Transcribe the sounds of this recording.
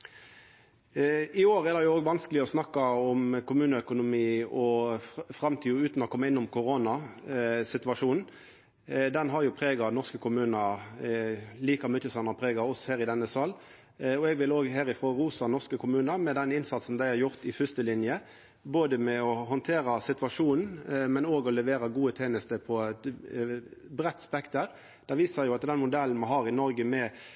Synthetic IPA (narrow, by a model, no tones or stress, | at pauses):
ɪoːɾɛd̪ɛjʊoːɡʋɑnskəlɪɔsnɑkːɑɔmkʊmʉːnəœkʊnʊmiːɔfʁɑmt̪ʰiːʉːt̪nɔkʰɔmːɑɪnːʊmkʰʊʁoːnɑ | sɪt̪ʋɑʂuːnn̩ | d̪ɛnɦɑʁjʊpʰʁeːɡɑnɔʁskəkʰʊmʉːnə | liːkɑmʏt̪ːəsɑnɑʁpʰʁeːɡɑɔsɔheːʁɪd̪ɛnːəsɑlː | ɔɛɡʋɪloːɡɦæːɾɪfɾoːʁuːsɑnɔʁskəkʰʊmʉːnəɾmɛd̪ɛnɪnsɑt̪sn̩d̪æɪhæɾjʊʁt̪ɪfʏst̪əlɪnjə | boːd̪əmɛɔɦɔnt̪ʰeːɾɑsɪt̪ʋɑʂuːnn̩mɛnoːɡɔlɛʋeːɾɑɡuːət̪ʰeːnəst̪əpʰɔt̪ | bʁɛt̪ːspɛkt̪əɾ | d̪̥ɛʋiːsɑjʊɑt̪d̪ɛnmʊd̪ɛln̩mɛɦɑːʁɪnɔɾɡəmɛ